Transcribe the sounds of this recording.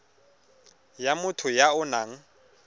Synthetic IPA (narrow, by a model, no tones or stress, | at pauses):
jamʊtʰʊjaʊnaŋ̩